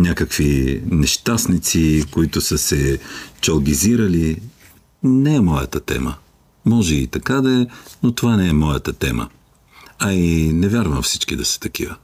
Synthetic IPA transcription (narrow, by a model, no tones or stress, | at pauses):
nʲakəkvinɛʃt̪asnit̪sikoit̪ʊsəsɛt͡ʃɐlˠɡ̟iziɾɐli | nɛɛmɔjə̰t̪ət̪ɛ̰mə̰ | mɔʒɛit̪ɐkad̪ɐɛnot̪ovanɛɛmɔjət̪ət̪ɛmə̰ | ɐinɛvʲjaɾvɐmfsi̥t͡ʃkid̪ɐsə̥t̪ɐkḭvə